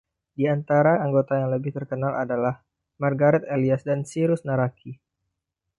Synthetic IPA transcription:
diant̪aɾaaŋɡot̪ajaŋləbɪht̪ərkənalʔa̰dalah | marɡaɾɛt̪eliasdansiɾʊsnaɾakʰi

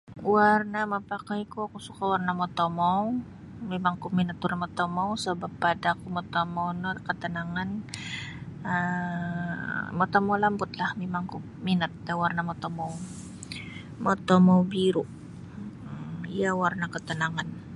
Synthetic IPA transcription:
warnaməpakajikuakusukawarnamot̪omɔw | memaŋkuminət̪̚warnamot̪omowsəbapːadakumot̪omownɔkət̪ənaŋan | ə | mot̪omowlambʊt̪lahmemaŋku | minət̪̚dawarnamot̪omow | mot̪omowbiɾʊʔ | ijawarnakət̪ənaŋan

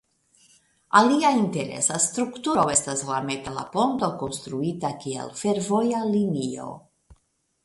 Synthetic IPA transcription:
aliainte̞ɾe̞̰sastɾuktuɾo̞e̞staslametala̰po̞nto̞ko̞nst̪ɾuitakiḛlfe̞ɾvo̞jalinio̞̰

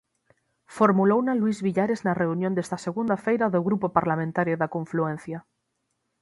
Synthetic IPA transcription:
foɾmulownalwizβiʎaɾeznareunjõnd̪est̪aseɣund̪afejɾaðoɣɾupopaɾlamẽnt̪aɾjoðakõɱfluẽn̟θja

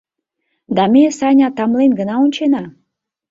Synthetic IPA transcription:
d̪ɑmʲesɑnʲɑt̪ɑmlenɡə̆nɑunʲt͡ɕenɑ

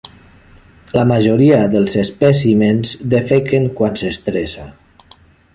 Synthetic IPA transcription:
lamaʒoɾiaðəlˠzespɛsimenzd̪efekeŋkwansest̪ɾesa

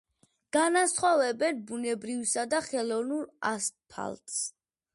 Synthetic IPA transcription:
ɡ̥anasχɔvɛbɛnbunɛbɾivsad̪aχɛlˠɔnuɾast̪̚pʰa̰lˠt̪s

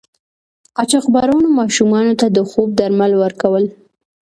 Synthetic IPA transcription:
ɑt͡ʃaxbɑɾawənomɑʃumɑnot̪ad̪əxob̚d̪aɾmalwəɾkawəl

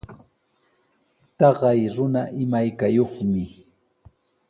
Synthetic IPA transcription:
t̪ɑɢɑjɾʊnaʔɪmajkajoχmɪ

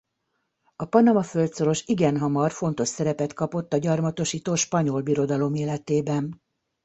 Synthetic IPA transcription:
ɒpɒnɒmɒfø̞lt̪so̞ɾo̞ʃiɡɛnɦɒmɒrfo̞nt̪o̞ʃsɛɾɛpɛt̪kɒpo̞t̪ːɒɟɒrmɒt̪o̞ʃiːt̪oːʃpɒɲo̞lbiɾo̞d̪ɒlo̞meːlɛt̪eːbɛn

